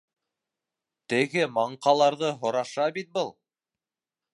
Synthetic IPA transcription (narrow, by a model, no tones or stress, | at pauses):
t̪ɘ̆ɡɘmɑɴqɑlˠɑɾðɤɦŏɾɑʃɑbit̪̚bɤlˠ